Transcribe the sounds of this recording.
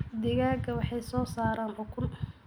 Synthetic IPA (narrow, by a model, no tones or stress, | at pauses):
d̪ɛɣaːɡʰɐwɑħɑjsɔːsaːɾaːnʕʊkʰʊn